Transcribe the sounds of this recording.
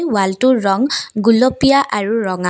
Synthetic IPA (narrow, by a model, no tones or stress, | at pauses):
jwaltuɹɔŋɡulɔpijaʔaɹuɹɔŋa